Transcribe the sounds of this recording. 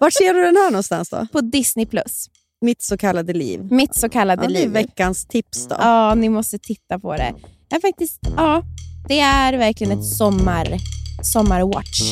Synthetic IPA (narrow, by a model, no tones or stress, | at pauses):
vaʈsʂeːɖɵd̪ɛnhæːɳɔnst̪a̰nsd̪ɔ̰pʰɔd̪ɪsnɪpʰlɵ̰s | mɪt̪sɔkʰalːad̪əlḭːvmɪt̪sɔkʰalːad̪əliːvɛvkːanst̪ʰɪpsd̪ɔ̰ɑːnɪmɔst̪ət̪ʰɪt̪ːapʰɔ̰d̪ɛ̰jɑɾfak̚t̪ɪst̪ɑːd̪̥ɛæɾvæɾklɪɡənɛt̪sɔmːaɾsɔmːaɾwɑ̰ʈʂ